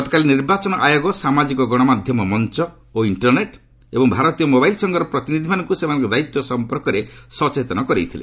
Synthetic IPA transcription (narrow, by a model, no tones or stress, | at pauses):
ɔt̪ɔkaliniɾbat͡ʃɔnɔʔajoɡɔsamad͡ʒikɔɡɔɽ̃ɔmad̪ʱjɔmɔmɔnt͡ʃɔ | oiɳʈɔɾneʈ | ebɔŋbʱaɾɔt̪ijɔmobajlsɔŋɡɔɾɔpɾɔt̪inid̪ʱimanɔŋkusemanɔŋkɔd̪ait̪jɔsɔmpɔɾkɔɾesɔt͡ʃet̪ɔnɔkɔɾḛjt̪ʰilḛ